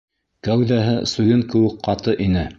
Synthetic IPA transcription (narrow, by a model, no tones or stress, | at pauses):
kæwðæɦɘsujɤŋkɘ̆wɘkqɑt̪ɤʔinɘ